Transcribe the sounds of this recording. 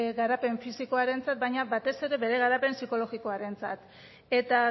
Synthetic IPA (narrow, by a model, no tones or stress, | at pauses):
ɣaɾape̞ɱfisiko̞aɾe̞nt͡sat̪̚bajɲaβat̪e̞se̞ɾe̞βe̞ɾe̞ɣaɾape̞nsiko̞lo̞ɣiko̞aɾe̞nt͡sat̪ | e̞t̪a